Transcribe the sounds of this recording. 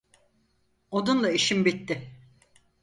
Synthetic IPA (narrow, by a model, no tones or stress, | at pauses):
od̪unlˠaiʃimbit̪ːɪ